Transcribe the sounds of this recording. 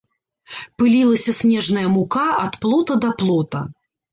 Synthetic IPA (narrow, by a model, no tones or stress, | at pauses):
pɨlʲilˠɐsʲɐsʲnʲɛʐnɐjɐmukaɐt̪plˠɔt̪ɐd̪ɐplˠɔt̪ɐ̰